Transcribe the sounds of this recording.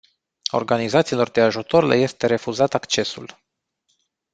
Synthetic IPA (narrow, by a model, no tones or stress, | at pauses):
o̞̰rɡanizat̪siːlo̞rd̪e̞aʒut̪o̞ɾelʔḛje̞st̪e̞ɾe̞fuzat̪akt͡ʃe̞sṵl